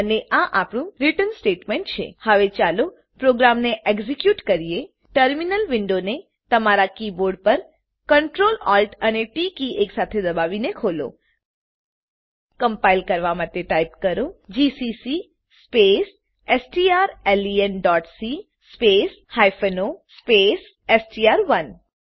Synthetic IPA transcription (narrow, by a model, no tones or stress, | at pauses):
əneʔaʔapɽ̃ũɾiʈənsʈeʈmẽɳʈ̚t͡ʃʰḛhəʋet͡ʃalo | pɾoɡɾamneʔeɡzikjuʈkəɾije | ʈəɾminəlʋɪɳɖone | t̪əmaɾakiboɾɖpəɾ | kəɳʈɾolɔlʈəneʈikiʔeksat̪ʰed̪əbaʋinekʰolo̰ | kə̃mpaːɪlkɐɾʋamat̪eʈaːjp̚kɐɾod͡ʒiːsisi | speːs | esʈiaːɾeliənɖɔːʈsi | speːs | haːjfʰənospeːs | esʈiaːɾʋən